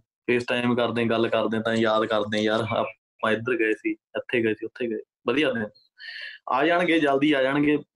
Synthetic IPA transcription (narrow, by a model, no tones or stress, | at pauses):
pʰeːsʈaːɪmkəɾd̪ẽːɡəlːkəɾd̪ẽːt̪ãːjaːd̪kəɾd̪ẽːjaːɾ̰ | mãːɪd̪əɾɡəeːsiːət̪ʰːeːɡəeːsiːʊt̪ʰːeːɡəeː | bəd̪ijaːd̪ẽː | a̰ːd͡ʒaːɳɡeːd͡ʒəld̪iːaːd͡ʒaːɳɡeː